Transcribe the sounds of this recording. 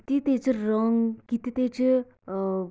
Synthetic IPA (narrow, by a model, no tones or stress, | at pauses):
t̪it̪eːt͡ʃiɾɔŋkit̪it̪eːt͡ʃi